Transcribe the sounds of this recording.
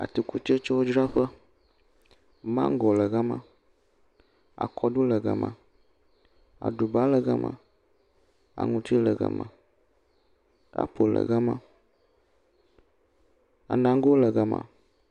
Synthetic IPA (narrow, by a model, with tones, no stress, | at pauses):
a̰˨t̪i˨ku˦t̪e˦t͡ʃɔ˦wo˦d͡ʒɾa˦ɸə˦ | mã̰˦ŋ˦ɡɔ˨lə˨ɡa˦mã̰˦ | a̰˨kʰɔ˦ɖu˦lə˨ɡa̰˨mã̰˨ | a̰˨ɖu˨ba˦lə˨ɡa̰˦mʔã̰˨ | a̰˨ŋũ˦t̪i˦lə˨ɡə̰˨mã̰˨ | a̰˦po˨lə̰˨ɡa˦mã̰˦ | a̰˨nã˨ŋ˦ɡo˦lə˨ɡa˨mã̰˨